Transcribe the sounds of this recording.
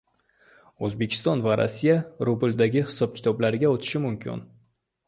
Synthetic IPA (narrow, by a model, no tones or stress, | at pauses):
ɵzbekʲʰɪ̥st̪ɒnvaɾa̰sːijaɾubɪld̪aɡʲɪhɪ̥sɒb̚kʲʰɪ̥t̪ʰɒblaɾɪɡʲaot̪ʰɪ̥ʃɪmʊmkʲʰɪ̰n